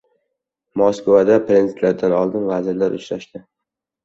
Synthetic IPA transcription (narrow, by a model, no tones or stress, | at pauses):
moskvad̪apɾenzɪt̪laɾd̪anɒlˠd̪ɪnvazɪɾlaɾʔʊ̰t͡ʃɾaʃd̪ɪ